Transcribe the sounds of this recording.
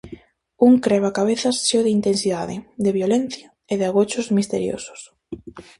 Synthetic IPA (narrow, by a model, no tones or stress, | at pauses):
uŋkɾɛβ̞akaβ̞eθɐsːeoðɪint̪ensiðaðɪd̪eβjolen̟θja | eðeaɣot͡ʃʊzmist̪eɾjo̰sʊ̥s